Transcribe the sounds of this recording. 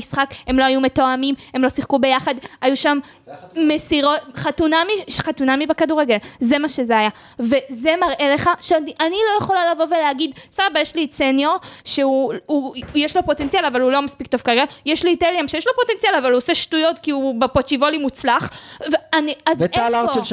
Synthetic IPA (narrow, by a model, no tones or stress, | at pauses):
isχake̞mlo̞ajume̞toamime̞mlo̞siχkube̞jaχad̪ajuʃam | mesiʁotχat̪unamiʃχat̪unamibakaduʁeɡe̞lze̞maʃezeaja | ve̞ze̞maʁʔe̞le̞χaʃeaniʔanilo̞jeχo̞lalavo̞ve̞leaɡid̪st̪aʁabajeʃlisenjo̞ʁʃeuujeʃlo̞po̞te̞nt͡sialavalulo̞maspikt̪o̞v̥kaɡajeʃliːteljamʃejeʃlo̞po̞tent͡sialavaluoseʃtujo̞tkiubepot͡ʃivolimut͡slaχvaniazetalaʁe